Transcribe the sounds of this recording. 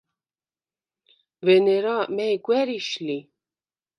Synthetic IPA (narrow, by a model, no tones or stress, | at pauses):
vɛnɛɾɑmɛjɡʷwɛɾiʃli